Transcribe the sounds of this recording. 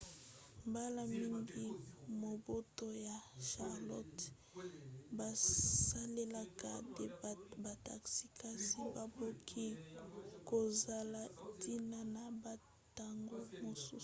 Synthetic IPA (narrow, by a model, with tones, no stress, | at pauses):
mba˦la˦mi˦ŋɡi˦mo˨bo˦to˦ja˨ʃa˨ʁlɔ˦t | ba˨sa˦le˦la˨ka˨dba˨ta˨ksi˨ka˦si˦ba˨bo˦kʰi˦ | ko˨za˨la˦ti˦na˦na˨ba˨ | ta˨ŋɡo˦mo˨sṵ˦